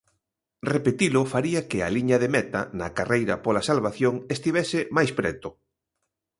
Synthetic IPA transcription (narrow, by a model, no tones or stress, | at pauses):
repet̪ilʊfaɾiakɪa̰liɲɐðemɛt̪ɐ̰nɐkarejɾɐpolasalβaθjoŋest̪iβɛsɪmajspɾɛt̪ʊ